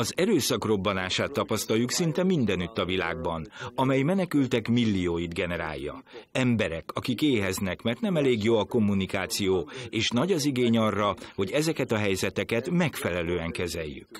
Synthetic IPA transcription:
ɒzɛɾøːsɒkro̞bːɒnaːʃaːt̪ːɒpɒst̪ɒljuksint̪ɛmind̪ɛnyt̪ːɒvila̰ːɡbɒnɒmɛjmɛnɛkylt̪ɛkmilːijoːjid̪ɡɛnɛɾa̰ːjːɒ̰ɛmbɛɾɛkɒkikeːɦɛznɛkmɛrt̪nɛmɛleːɡjoːɒko̞mːunikaːt̪sijoːeːʃnɒɟɒziɡeːɲɒrːɒho̞ɟɛzɛkɛt̪ɒɦɛjzɛt̪ɛkɛt̪mɛkfɛlɛløːɛŋkɛzɛjːy̰k

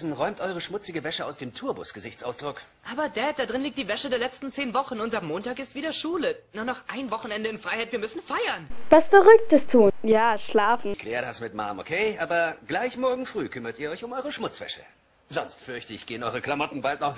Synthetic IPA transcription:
sn̩ʁɔʏmtʔɔʏʁəʃmʊt͡sɪɡəvɛʃəa̰ʊsd̥eːmtʰuːɐbʊ̰sɡ̥əzɪçt͡sʔaʊsd̥ʁʊkʔaːbɐdɛːt̚d̥aːdʁɪnliːkt̚d̥iːvɛʃədeːɐlɛt͡stn̩t͡seːnvɔχn̩ʊntamːoːntaːkɪstv̥iːdɐʃuːlənuːɐnɔχʔaɪnvɔχn̩ɛndəɪnfʁ̥aɪhaɪtv̥iːɐmʏsn̩faɪɐnvasfɛʁʏk̚təstʰuːnjaːʃlaːfn̩kʰl̥ɛːʁədasmɪtma̰ːmʔo̰kʰeːʔaːbɐɡ̥laɪçmɔɐɡŋ̩fʁyːkʰʏmɐtiːɐɔʏçʊmʔɔʏʁəʃmʊt͡sv̥ɛ̰ʃə | z̥ɔnstfʏɐçtəɪçɡ̥eːənʔɔʏʁəklamɔtn̩baltnɔχ

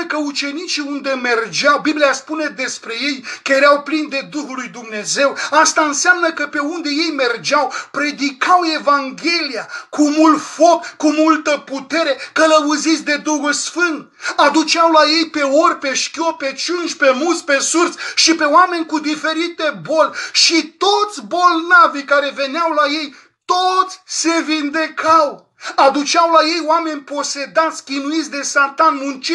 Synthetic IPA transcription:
kəut͡ʃe̞nit͡ʃiund̪e̞me̞rd͡ʒawbiblijaspune̞d̪e̞spɾe̞je̞jkəjeɾawplind̪e̞d̪uxulːujd̪umne̞ze̞wast̪aɨnsamnəkəpe̞und̪e̞je̞jme̞rd͡ʒawpɾe̞d̪ikawe̞vaŋɡʲe̞lijakumult̪fo̞kkːumult̪əput̪e̞ɾe̞kələuzit̪sʲd̪e̞d̪uɦulsfɨnd̪̚ | ad̪ut͡ʃawlaje̞jpe̞orʲpe̞ʃkʲjope̞t͡ʃunʃpe̞mult̪sʲpe̞surt̪sʲʃipe̞oame̞nʲkud̪ife̞ɾit̪e̞bo̞lʲʃit̪o̞t̪sʲbo̞lnavikaɾe̞ve̞neawlaje̞j | t̪ot̪sʲse̞vind̪ekʰaw | ad̪ut͡ʃawlaje̞joame̞nʲpo̞se̞d̪at̪sʲkʲinuit̪sʲd̪e̞sat̪anmunt͡ʃi

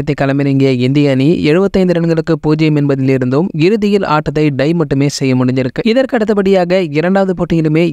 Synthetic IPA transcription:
ɐt̪̬ːɐkːɐlɐmɪnɪŋɡeːɪnd̪ɪjɐniɛɻɯbɐt̪ːɐɪnd̪ɯɾɐɳɡɐɭɯkːɯpuːd͡ʒɐjɐmɛnbɐðɪlɪɾɯnd̪oːmɪɾɯðɪjɪla̰ːʈːɐt̪ːɐɪɖɐɪmɐʈːɯmeːsɛjːɐmʊɽɪɲd͡ʒɪɾɯkːɯɪðɐɾkɯɐɽɯt̪ːɐpːɐɽɪjaːɣɐɪɾɐɳɖaːʋɐðɯpoːʈːɪŋɡɪlɯmeː

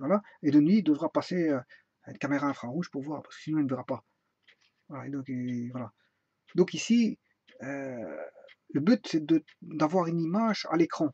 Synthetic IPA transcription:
vwalaed̪ənɥid̪əvʁapaseø | nkameʁaɛ̃fχɑ̃ʁuʒpuʁvwaːʁpḁskə̥sinɔ̃ilnvɛʁapa | vwalaed̪ɔ̃kvwala | d̪ɔ̃kisi | ø | ləbyt̪sɛd̪ə | d̪avwaʁynimaʒa̰lekχɑ̃

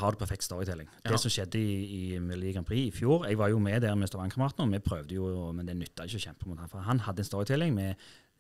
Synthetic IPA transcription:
hɑʁd̪ɛpʰæʁfɛkt̪st̪ɔʁɪt̪ʰɪlːɪŋd̥̪ɛsɔmʃɛd̪ːəɪɪmɛlʊd̪iːɡɑmpʰʁiːɪfjuːɾɛɡʋɑjʊmɛd̪ɛʁmɛst̪ɑʋɑŋkʰʁɑmɑt̪n̩ɔmɛpʰɾøːʋd̪əjʊɔmɛnd̪ɛnʏt̪ːɑɪçːəɔçɛmpəmuʊt̪hɑnfɔɦɑnhɑd̪ːəɛnst̪ɔʁɪt̪ʰɪlːɪŋmɛ

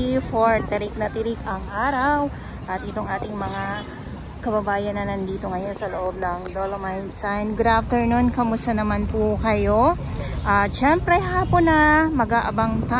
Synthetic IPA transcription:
ifoɹt̪ɛɾik̚nɐt̪ɪɾikɐŋʔaːɾɐw | ʔɐt̪ʔɪt̪o̞ŋʔaːt̪ɪŋmɐŋa | kɐbɐbaːjɐnːɐnɐnd̪iːt̪o̞ŋɐjo̞nsɐloʔo̞b̚nɐŋd̪olomajnt̪sajnɡɾaft̪ɛɹnonkɐmʊst̪ɐnɐmanpʊkɐjo̞ | ʔaːt͡ʃɛmpɾɛɦaːponɐmɐɡaʔɐbaŋt̪a

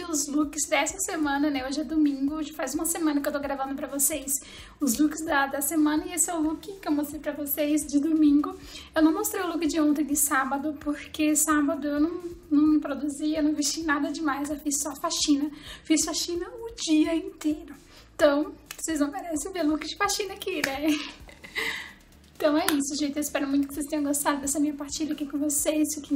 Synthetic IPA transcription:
ɪʊzlukɪzd̪ɛsɐsemɐ̃nɐnɛoʒɪɛd̪omĩŋɡʊʒɪfajzũmɐsemɐ̃nɐkɪewt̪oɡɾavɐ̃nd̪ʊpɾɐvosejs | ʊzlukɪzd̪ɐd̪ɐsemɐ̃nɐɪesɪɛʊ̃lukɪkɪewmost̪ɾejpɾɐvosejsd͡ʒɪd̪omĩŋɡʊ | ewnɐ̃w̃most̪ɾejʊlukɪd͡ʒɪõt̪ẽj̃d̪ɪsabɐd̪ʊpoɾkesabɐd̪ʊewnɐ̃w̃nɐ̃w̃pɾod̪uziewnɐ̃w̃vist͡ʃinad̪ɐd͡ʒɪmajzewfissɔfaʃĩnɐfisfaʃĩnɐʊd͡ʒiɐĩt̪ejɾʊ | ẽt̪ɐ̃w̃osejznɐ̃w̃meɾɛsẽt̪elukɪd͡ʒɪfaʃĩnɐakɪnɛ | ẽt̪ɐ̃w̃ɛisʊʒẽjt͡ʃ̪ɪewɪspɛɾʊmũj̃t̪ʊkɪ̥sest̪ẽɲ̃ɐ̃ɡost̪ad̪ʊd̪ɛsɐmĩɲɐpaɾt͡ʃiʎɐakikõvosesʊkɪ

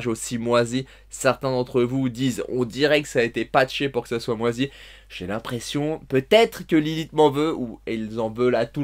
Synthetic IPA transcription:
ʒosimwazi | sɛʁt̪ɛ̃d̪ɑ̃t̪χəvud̪izɔ̰̃d̪iʁɛkə̥saːet̪epat̪ʃepuʁkə̥saswamwazi | ʒ̥elɛ̃pχesjɔ̃pøt̪ɛt̪χkəlilit̪mɑ̃vøuɛlzɑ̃vølat̪u

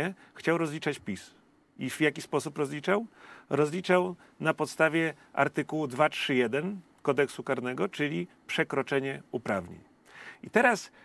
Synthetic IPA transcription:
ɛ | xt͡ɕawɾɔzlʲit͡ʂat͡ɕpʲis | ivjakʲispɔsupɾɔzlʲit͡ʂawɾɔzlʲit͡ʂaw | napɔt̪st̪avʲjɛ | a̰ɾt̪ɨkuwud̪vatʂɘjɛd̪ɛn | kɔd̪ɛksukaɾnɛɡɔt͡ʂɘlʲi | pʂɛkɾɔt͡ʂɛɲɛupɾavɲḛɲ | it̪ɛɾas

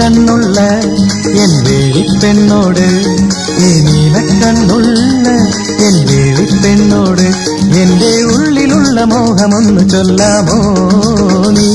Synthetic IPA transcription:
ɐnːuɭːɐ | endeːʋipːenːoːɽɨ | eniʋeʈːɐnːuɭːɐ | endeːʋipːenːoːɽɨ | endeːuɭːiluɭːɐmoːɣɐmonːut͡ɕolːaːmoː | ni

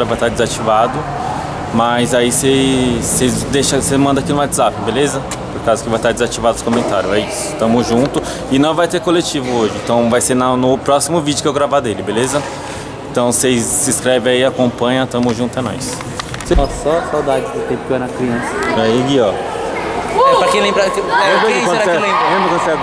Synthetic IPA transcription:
ɾɐvajt̪aɾd͡ʒɪzat͡ʃivad̪ʊ | mazaisesezd̪eʃɐsemɐ̃nd̪akinũad͡ʒ̪zapɪbelezɐ | poɾkazʊkɪvajt̪aɾd͡ʒɪzat͡ʃivad̪ʊsɪ̥kõmẽnt̪aɾjʊɛisʊ̥t̪ɐ̃mʊzʒũnt̪ʊ | ɪnɐ̃w̃vajt̪ekolet͡ʃivʊoʒɪẽt̪ɐ̃w̃vajseɾnɐnʊpɾɔsimʊvid͡ʒʊkewɡɾavad̪elɪbelezɐ | ẽt̪ɐ̃w̃sezːɪskɾɛvẽaiakõpɐ̃ɲɐ̃t̪ɐ̃mʊzʒũnt̪ʊɛnɔ̰js | seɔsɔsawd̪ad͡ʒɪd̪ʊt̪ẽpʊkɛnɐkɾiɐ̃sɐaiɡiɔ | ɛpɾɐkẽj̃lẽbɾakiɛmẽk̪ɾaɛlẽɐmẽmbɾʊkõd̪sɛ

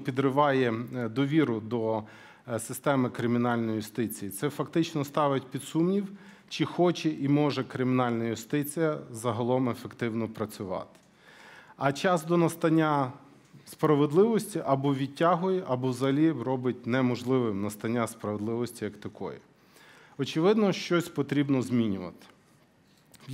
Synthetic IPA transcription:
pʲid̪ɾɪʋɑjɛd̪ɔʋʲiɾʊd̪ɔ | sɪst̪ɛmɪkɾɪmʲɪnɑlʲnɔjijʊst̪ɪt͡sʲijit̪sɛfɐkt̪ɪt͡ʃnɔst̪ɑʋɪt̚ʲpʲid̪sumnʲiw | t͡ʃɪxɔt͡ʃɛʔimɔʒɛkɾɪmʲɪnɑlʲnɐjʊst̪ɪt͡sʲijɐzɐɦɐlˠɔmefekt̪ɪwnɔpɾɐt͡sʲʊʋɑ̰t̪ɪ̥ | ɐt͡ʃɑzd̪ɔnɐst̪ɐnʲːa | spɾɐʋed̪lˠɪʋɔsʲtʲiʔɐbɔʋʲitʲːaɦʊjɛʔɐbɔwzɐlʲirɔbɪtʲnɛmɔʒlˠɪʋɪmnɐst̪ɐnʲːaspɾɐʋed̪lˠɪʋɔsʲtʲijɐkt̪ɐkʰɔ̰jḭ | ɔt͡ʃɪʋɪd̪nɔʃt͡ʃɔsʲpɔt̪ɾʲibnɔzʲmʲinʲʊʋɐ̰t̪ɪ̥

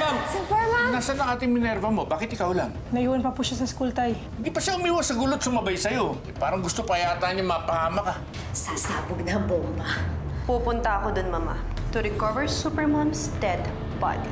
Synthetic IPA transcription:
mamsɪpɛlanaːsɐnɐŋʔaːt̪ɪŋmɪnɛɾvɐmo̞baːkɪt̪ʔɪkawlaŋ | nɐʔjiwɐnpɐpuːʃasɐskult̪aj | ɪnd̪iːpɐʃaʊmiːwɐsɐɡuːlot̪̚sʊmɐbajsɐjo̞ | paːɾɐŋɡʊst̪opɐjaːt̪aːnʊŋmapɐhaːmɐkɐ | sasaːbʊɡ̚nɐbombapuːpʊnt̪ɐʔɐkod̪onmɐma̰ | t̪ʊɾɪkɔvɛɹsupɛmamst̪ɛd̪ | ba̰d̪i

